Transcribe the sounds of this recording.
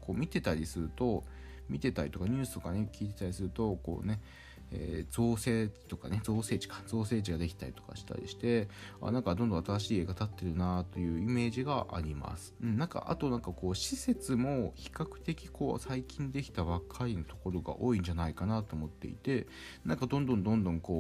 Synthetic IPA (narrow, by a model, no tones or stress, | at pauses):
ko̞ːmʲit̪e̞t̪aɾʲisɨɾɯ̟t̪o̞ | mʲit̪e̞t̪aɾʲit̪o̞kaɲ̟ʲɨ̟ːsɨ̥t̪o̞kane̞kʲiːt̪e̞t̪aɾisɨɾɯ̟t̪o̞ko̞̰ːne̞ | ḛːd͡zo̞ːse̞ːt͡ɕt̪o̞kane̞d͡zo̞ːse̞ːt͡ɕi̥kḁzo̞ːse̞ːd͡ʑiɡad̪e̞kʲi̥t̪aɾʲit̪o̞̥ka̰ɕi̥t̪a̰ɾʲḭɕi̥t̪e̞a̰ːnãŋkad̪o̞nd̪õat̪aɾaɕiːe̞ːɡat̪at̪ːe̞ɾɯ̟nat̪o̞jɯ̟ːime̞ːʑiɡaʔa̰ɾʲima̰sɨ̥ɯ̟nnãŋka̰ʔa̰t̪o̞nãŋkako̞ːɕise̞t͡sɨmo̞çi̥kakɯ̟̥t̪e̞kʲiko̞̰ːsaikʲĩnd̪e̞kʲi̥t̪aβakʰainot̪o̞̥ko̞ɾo̞ɡa̰ʔo̞ːĩɲ̟d͡ʑanaikanat̪o̞ːmo̞t̪ːe̞̰ḭt̪e̞ | nãŋkad̪õ̞nd̪õ̞nd̪õ̞nd̪õ̞ŋko̞ː